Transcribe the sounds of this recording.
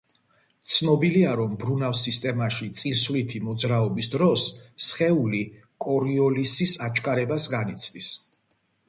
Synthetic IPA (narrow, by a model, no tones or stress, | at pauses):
t̪sʰnɔbiliaɾɔmbɾunavsist̪ʼɛmaʃit̪sʼinsvlit̪ʰimɔd̪zɾaɔbisd̪ɾɔsːχɛuli | kʼɔɾiɔlisisat͡ʃʰkʼaɾɛbasɡanit̪sʰd̪is